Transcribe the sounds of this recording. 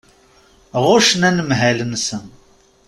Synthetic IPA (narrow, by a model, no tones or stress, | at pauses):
ʁʊʃənænəmɦælənsən